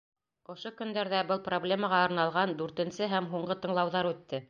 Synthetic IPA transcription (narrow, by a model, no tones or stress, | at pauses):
ŏʃokɵ̆nd̪æɾðæbɤlˠproblʲemɑʁɑŏɾnɑlˠʁɑnd̪ʉɾt̪ɘ̆nsɘɦæmɦuɴɢɤt̪ɤ̆ɴlˠɑwðɑɾʉt̪ːɘ